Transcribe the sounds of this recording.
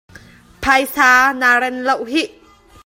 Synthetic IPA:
pʰajsaːnaːɾɛnlowɦiʔ

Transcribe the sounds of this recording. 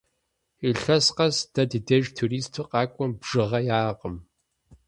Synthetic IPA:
iɬɐsqɐsd̥ɐdɨdɐʒtʰuɾiːstʰuqɑːkʷʼɔmbʐ̥ɨʁɐjaːqʼəm

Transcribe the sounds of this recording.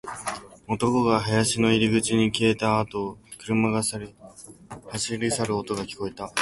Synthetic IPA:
ot̪o̞ko̞ɡaɦajaɕino̞iɾʲiɡɯ̟t͡ɕiɲ̟ikʲie̞t̪aːt̪o̞kɯ̟ɾɯ̟maɡa | haɕiɾʲisaɾɯ̟ot̪o̞ɡakʲi̥ko̞it̪a

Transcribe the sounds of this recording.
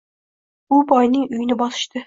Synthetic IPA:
ʊbɒjnɪŋʊjɪnɪbɒsɨ̥ʃt̪ɪ

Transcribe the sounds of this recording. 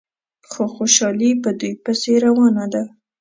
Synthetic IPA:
xoxoʃɑlibəd̪ujpəseɾawɑnad̪a

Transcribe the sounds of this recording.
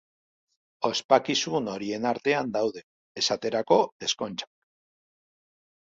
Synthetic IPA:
o̞spakisuno̞ɾie̞naɾt̪e̞and̪awðe̞ː | sat̪e̞ɾako̞e̞sko̞nt͡ʃḁ

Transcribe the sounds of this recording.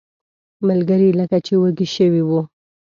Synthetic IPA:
malɡəɾiləkat͡ʃewəɡiʃəwiwu

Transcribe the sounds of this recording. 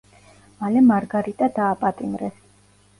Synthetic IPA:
malɛmaɾɡaɾit̪ʼad̪aːpʼat̪ʼimɾɛs

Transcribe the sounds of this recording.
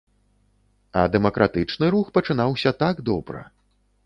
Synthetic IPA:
ɐd̪ɛmɐkɾʔat̪ɨt͡ʂnɨɾuxpɐt͡ʂɨn̪awsʲɐt̪aɡd̪ɔbɾɨ̰

